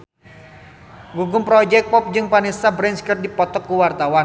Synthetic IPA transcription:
ɡuɡʊmpɾɔd͡ʒɛk̚pɔp̚d͡ʒɨŋpanesabɾɛnskər̚dipɔt̪ɔkːuwart̪awan

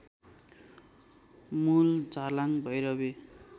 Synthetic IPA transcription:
muld͡zalaŋbʱʌjɾʌbe

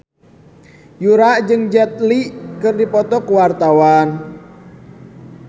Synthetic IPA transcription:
juɾaʔd͡ʒɨŋd͡ʒɛt̪̚liʔkɨrdipɔt̪ɔkuwart̪awan

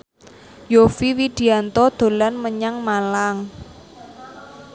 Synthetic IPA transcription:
jofiwid̪̥i̤ant̪ɔd̪̥o̤lanməɲaŋmalaŋ

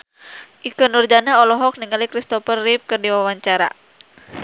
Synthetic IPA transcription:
ʔikɔnurd͡ʒanaɔlɔɦɔk̚niŋalikɾist̪ɔfərːip̚kɨrdiwawaɲt͡ʃaɾa̰

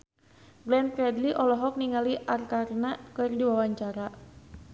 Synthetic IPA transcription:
ɡlɛnkɾɛdliʔɔlɔɦɔk̚niŋaliʔarkarnakɨrdiwawaɲt͡ʃaɾa

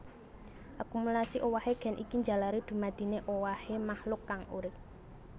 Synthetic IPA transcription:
ʔakumulasiʔowaheɡ̥ɛ̤nʔikiɲd͡ʒa̤laɾid̪̥ṳmad̪̥i̤neʔowahemahlʊkːaŋṵɾɪp̚

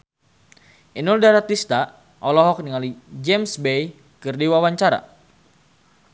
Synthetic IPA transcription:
ʔinuldaɾat̪ist̪a | ʔɔlɔɦɔk̚niŋalid͡ʒɛmsbej | kɨrdiwawaɲt͡ʃaɾa̰

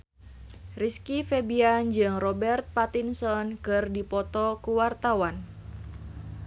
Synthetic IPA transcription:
riskifebiand͡ʒɨŋrɔbɛrt̪̚pat̪insɔnkɨrdipɔt̪ɔkuwart̪awan

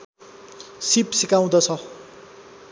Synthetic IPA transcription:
sipsikaw̃d̪ʌt͡sʰʌ

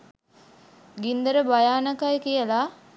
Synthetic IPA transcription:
ɡind̪əɾəbajaːnakajkijəla

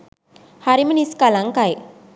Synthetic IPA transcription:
haɾiməniskalaŋkaj

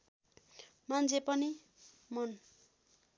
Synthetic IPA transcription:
mant͡sʰepʌni | mʌn

